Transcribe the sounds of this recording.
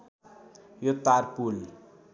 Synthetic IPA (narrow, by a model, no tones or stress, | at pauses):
jot̪arpul